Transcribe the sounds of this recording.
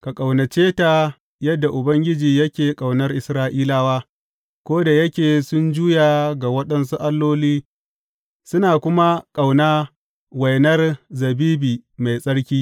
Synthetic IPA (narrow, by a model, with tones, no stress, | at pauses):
ka˨kʼa˨wnɐ˨t͡ʃeː˦ta˨ | jɐ˦dːa˨ʔʊ˨bɐ˦ŋɡʲɪ˦d͡ʒiː˨jɐ˦kʲeː˨kʼa˨wnɐ˦rʔɪ˨sɾaː˦ʔiː˦laː˦waː˦ | kʷoː˦da˨jɐ˦kʲeː˨sʊ˦nd͡ʒuː˦jaː˨ɡa˨wɐ˦ɗɐ˦ns̬u˦ʔa˦lːoː˦liː˦ | sʊ˦naː˨kʷʊ˦ma˦kʼa˨wnaː˦ | wɐ˨jnɐ˦rzɐ˨biː˦biː˨ma˨jsʼɐ˦ɽkʲiː˦